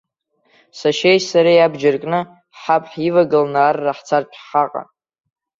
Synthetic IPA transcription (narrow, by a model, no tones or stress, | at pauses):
saʃejsaɾajabd͡ʒarkʼnɨ | ħapʰʼħivaɡɨlnaːrːaħt͡sʰart͡ʃʷʰχaqʼa̰